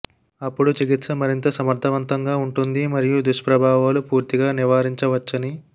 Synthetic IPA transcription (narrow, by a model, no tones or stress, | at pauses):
ɐpːuɽut͡ʃiɡit̪sɐmɐɾint̪ɐsɐmɐɾt̪ʰɐʋɐnt̪ʰɐŋɡaːuɳʈund̪imɐɾijud̪uʂɐpɾɐbʱaːʋaːlupuːɾt̪iɡaːniʋaːɾiɲt͡ʃɐʋɐt͡ʃːɐni